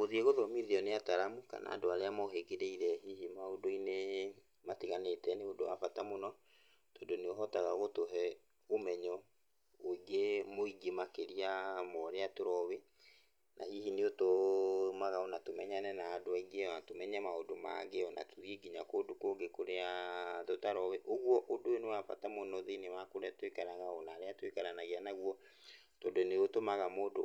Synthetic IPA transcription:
oðieɣoðɔmiðiɔneataɾamuka̰na̰ːdoaɾeamɔɦeɡeɾeiɾɛɦihimaodoine | matiɣanetɛneodoa̰fatamonɔ | todoneoɦɔtaɣaɣotoɦɛ | omɛɲɔ | oiɡemoiɡemakeɾiamɔɾeatoɾɔwe | nʔa̰hihineotomaɣaɔnatomɛɲanɛnaːdoaiɡeɔnatomɛɲɛmaodoma̰ɡeɔna̰toðiɡiɲakoːdokoɡekoɾeaðotaɾɔweʔoɣwɔʔodoenewafa̰tamonɔðenemakoɾɛtwekaɾaɣaɔnaːɾeatwekaɾanaɣeanaɣwɔ | tɔdoneotomaɣamoːdo

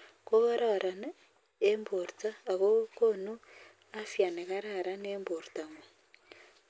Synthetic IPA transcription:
koβaɾaɾan | emboɾt͡saːɣokonu | afjaneɣaɾaɾaneːmboɾtaŋe

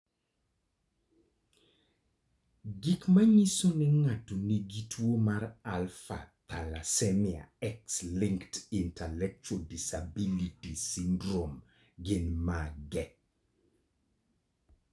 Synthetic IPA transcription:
ɡɪkmaɲisonɛŋatːoniɡitʰwomaɾalfa̰t̪alasɛnɪa̰ɛksliŋktintalɛk̚t͡ʃodisabilitisindɾom | ɡɪnmaɡɛ

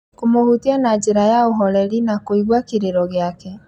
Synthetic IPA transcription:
komohutianad͡ʒeɾajaoɦɔɾɛɾinakoiɣwakeɾeɾɔɣeakɛ

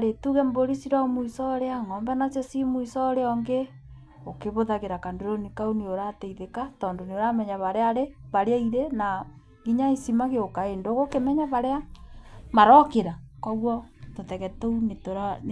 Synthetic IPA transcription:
aɾetuɣɛmboɾisiɾamuisɔɾeaŋɔmbɛnasesimuisɔɾeɔŋɡe | okeβoðaɣeɾakandoɾonikauneoɾateiðekatɔːndoneoɾamɛɲaβaɾeaɾeβaɾeaiɾena | ɡiɲaisimaɣeokaendoɣokemɛɲaβaɾea | maɾɔkeɾakɔɣwɔtotɛɣɛtounetoɾa

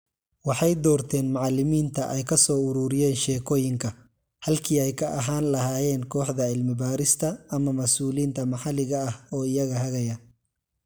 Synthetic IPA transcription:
wɑħɑjd̪ɔːrt̪ʰɛːnmɑʕɑlɪmiːnt̪ʰɐʔɛjkʰɐsɔːʊɾuːɾɪjɛːnʃɛːkʰɔːjɪŋkʰɐ | hɐlkʰiːɛjkʰɐʔɐɦaːnlɐɦaːjɛːnkʰɔːħd̪ɐɪlmɪbaːɾɪst̪ʰɐːmɐmɐsuːliːnt̪ʰɐmɑħɑlɪɣɐːhɔːɪjɐɣɐɦɐɣɐjɐ

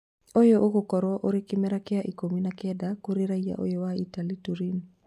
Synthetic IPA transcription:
ojɔʔoɣokɔɾwɔʔoɾekimɛɾakeaʔikominakɛdakoɾeɾaia̰ʔo̰jɔwaitalituɾin

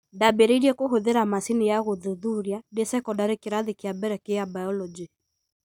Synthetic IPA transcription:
ndabeɾeiɾiekoɦoðeɾamasinejaɣoðoðuɾjadesɛkɔdaɾekeɾaðekeabɛɾɛkeabajɔlɔd͡ʒi

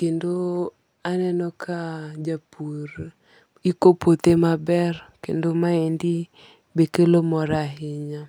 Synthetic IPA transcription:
kendo | anɛnɔkʰad͡ʒapur | ikopot̪emabɛrkḛndomaendi | bekelomɔɾaɦɪɲa

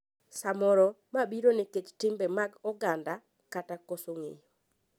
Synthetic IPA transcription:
samɔɾɔ | mabiɾonɪket͡ʃtɪmbɛmaɡɔɡanda | katakosoŋḛjo

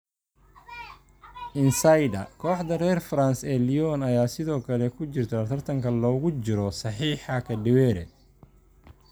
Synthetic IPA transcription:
ʔɪnsajdɐ̰kʰɔːħd̪ɐrɛːrfɾansɛːlijɔnɐjaːsɪðɔːkʰɐlɛkʰʊt͡ʃɪrt̪ʰɐɐt̪ʰɐrt̪ʰɐŋkʰɐlɔːɣʊt͡ʃɪɾɔsɑħiːħɑkʰɐɖɪwɛːɾɛ̰

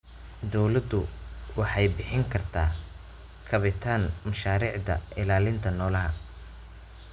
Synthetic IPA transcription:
d̪ɔwlɐd̪ʊwɑħɑjbɪħɪŋkʰɐrt̪ʰaː | kʰɐβɪt̪ʰaːnmɐʃaːɾiːʕd̪ɐ̰ʔɪlaːlɪnt̪ʰɐnɔːlɐɦɐ

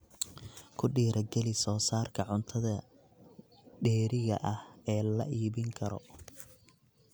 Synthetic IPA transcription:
kʰʊɖiːɾʔɐɡɛlɪsɔːsaːrkʰɐʕʊnt̪ʰɐðɐ | ɖɛːɾɪɣɐ̰ʔɐhɛːlɐ̰ʔiːβɪŋkʰɐɾɔ̰

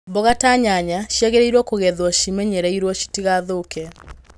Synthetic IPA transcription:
bɔɣataɲaɲaʃjɛɣɛɾeiɾwɔkoɣɛðwɔʃimɛɲɛɾɛiɾwɔʃi̥tiɣaðokɛ

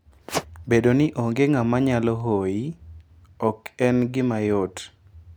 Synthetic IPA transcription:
bedonɪʔoŋɡeŋamaɲalɔɦoji | ɔkɛnɡɪmajot

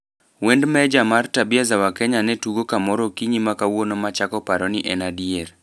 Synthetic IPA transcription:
wendmɛd͡ʒamartabɪazawakɛɲanɛtuɡokamɔɾokiɲimakawonomat͡ʃakɔpaɾɔnɪʔɛnadieɾ

